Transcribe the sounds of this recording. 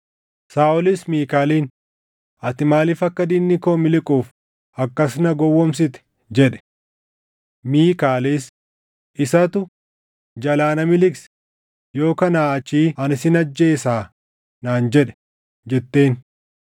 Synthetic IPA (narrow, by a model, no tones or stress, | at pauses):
saːʔɔlismiːkaːliːn | ɐt̪ɪmaːliːfɐkːɐd̪inːɪkoːmɪlɪkʼuːf | ɐkːɐsnɐɡɔwːɔms̬ɪt̪ɛ̥ | d͡ʒɛᶑɛ̥ | miːkaːliːs | ʔɪsɐt̪ʊ | d͡ʒɐlaːnɐmɪlɪks | jo̞ːkɐnaːɐt͡ʃːiːɐnɪsɪnɐd͡ʒːe̞ːsaː | naːnd͡ʒɛᶑɛ̥ | d͡ʒɛt̪ːe̞ːn